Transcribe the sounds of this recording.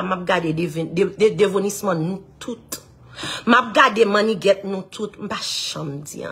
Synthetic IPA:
map̚ɡadedeveed̪evonismãnũtʰut̪ | map̚ɡademãnĩɡɛt̪̚nũt̪ʰut̪m̩paʃãm̩d͡zḭã̰

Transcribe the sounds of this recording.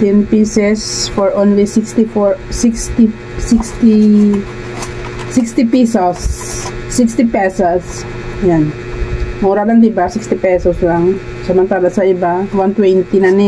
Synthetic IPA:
t̪ɛnpisɛsfɔɹʔonlisɪkst̪ifoɹsɪkst̪i | sikst̪i | sɪkst̪ɪpisosː | ikst̪ɪpɛsos | jan | muɾalɐŋd̪ɪbasikst̪ɪpɛsɔslaŋ | sɐmɐnt̪aːlɐsɐɪbawant̪wɛnt̪inɐnɪ

